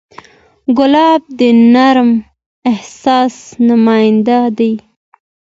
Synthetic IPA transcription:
ɡʊlɑb̚d̪ənaɾm | ɪhsɑsnʊmɑjɪnd̪ad̪aj

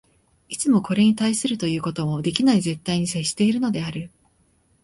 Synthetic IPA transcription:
it͡sɨmo̞ko̞ɾe̞ɲ̟it̪aisɨɾɯ̟t̪o̞jɯ̟ːko̞t̪o̞mo̞d̪e̞kʲinaize̞t̪ːaiɲ̟iseɕːi̥t̪e̞iɾɯ̟no̞d̪e̞aɾɯ̟

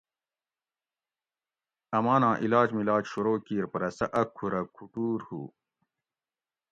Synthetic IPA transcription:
ɐmaːnãːʔilaːd͡ʑmilaːt͡ɕɕuɾoːkiːɾpɐɾɐsɐʔɐkʰːuɾɐkʰuʈuːɾhṵː

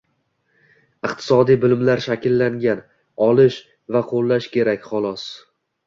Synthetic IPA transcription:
ɨqt̪ʰɪ̥sɒd̪ijbɪlmlaɾʃakʲʰɪlːaŋɡʲan | ɒlˠɪʃ | vaqʰolˠːaʃkʲʰe̞ɾakʲχɒlˠɒs

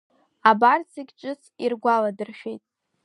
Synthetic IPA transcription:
abarsɨɡʲʈ͡ʂʷʼɨsirɡʷaladɨrʃᶣejtʼ

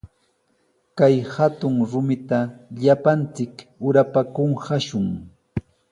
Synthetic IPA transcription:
kajhat̪ʊŋɾʊmɪt̪aʎapant͡sɪkʊɾapakʊɴhaʃʊŋ

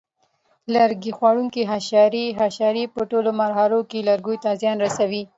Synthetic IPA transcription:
laɾɡixwɑɽuŋkiɦaʃɑɾiɦaʃɑɾipəʈolomaɾɦaɾokelaɾɡujt̪ɑzjɑnɾasawi

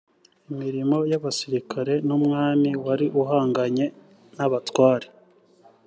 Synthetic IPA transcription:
imiɾimo̞jaβasiɾikʰaɾe̞numŋaːmiwaɾiʔuɦaːŋɡaɲe̞ | naβatwaːɾe

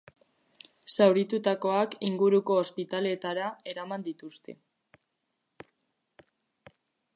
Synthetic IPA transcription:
sawɾit̪ut̪ako̞akiŋɡuɾuko̞ːspit̪ale̞t̪aɾae̞ɾamand̪it̪ust̪e̞̰

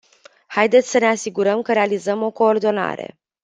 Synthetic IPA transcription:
hajd̪et̪sʲsəne̞asiɡuɾəmkəɾe̞alizəmo̞ko̞ːrd̪o̞na̰ɾe̞̰

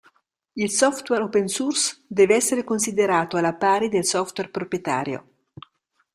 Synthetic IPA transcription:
ilsɔft̪wɛɾopensursd̪ɛːveɛsːeɾekonsid̪eɾaːt̪oalapaːɾid̪elsɔft̪wɛrpɾopjet̪a̰ːɾjo̰

